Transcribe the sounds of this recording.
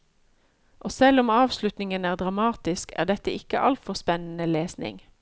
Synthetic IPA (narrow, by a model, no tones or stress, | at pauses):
ʔoːsɛlʊmɑːʋslʉt̪nɪŋənæːʁd̪ʁɑmɑːt̪ɪskæ̰ːʁd̪ɛt̪əɪkəʔɑ̰lt̪fɔʁspɛnən̩əleːsnɪ̰ŋ